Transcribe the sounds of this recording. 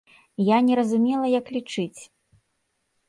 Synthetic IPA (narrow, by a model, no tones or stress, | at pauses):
janʲɛɾɐzumʲɛlˠɐjɐklʲit͡ʂɨt͡sʲ